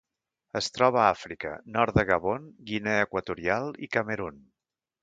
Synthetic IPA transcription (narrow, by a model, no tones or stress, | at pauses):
əst̪ɾɔβ̞əafɾikə̰nɔrt̪d̪əɣəβ̞onɡinɛəkwət̪uɾialˠikəməɾun